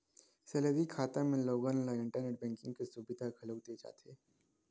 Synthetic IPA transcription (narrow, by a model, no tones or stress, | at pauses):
seləd̪ikʰaːt̪amẽloːɡaːnlaɪ̃ɳʈəɾneːʈ̚bɛ̃ːŋkɪ̃ŋɡkesubɪd̪ʱaɡɐloːɡ̚d̪ed͡ʒa̰ːt̪eː